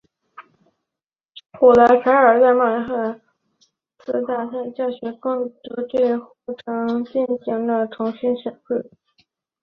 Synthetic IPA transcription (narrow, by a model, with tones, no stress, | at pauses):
xu˨˩la˧˥ɪpʰa˧˥ɪə˞˨˩t͡sa˥˧ɪma˥˩˥xə˥˩ | t͡s̩ʰ˥˧t̪a˥˩sa˥˧nt͡ɕjɑ˥˩ɕɥɛ˧˥kʊ˥˩ŋt̪ɤ˧˥ʈ͡ʂwe˥˧ɪxu˥˩ʈ͡ʂʰɤ˧˥ŋt͡ɕi˥˩nɕi˧˥ŋd̪ə˧ʈ͡ʂʰʊ˧˥ŋɕi˥nɕɛ˨˩nke˥˩